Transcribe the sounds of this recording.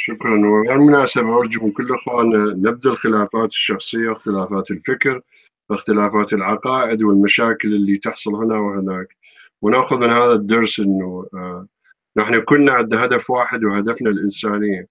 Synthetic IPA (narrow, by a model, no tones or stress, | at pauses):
ʃʊkɾˤɑnwɪɣeːɾmʊnaːsabaʔʊɾˤd͡ʒamɪnkʊlːʔɪxwaːnanɪb̚d̪alxɪlaːfaːt̪ɪ̥ʃːɑxsˤɨjːaxt̪ɪlaːfaːt̪ɪlfɪkɾ | ʔɪxt̪ɪlaːfaːt̪ɪlʕɑqɑːʔɪd̪wɪlmaʃaːkɪlɪlːit̪ɑħsˤʊlhɪnawhɪnaːk | wnaːxʊðmɪnhaːðad̪ːɑɾˤsʔɪnːu | naħnukʊnːaʕɪnd̪aɦad̪afwaːħɪd̪whad̪afnalʔɪnsaːnɪjːa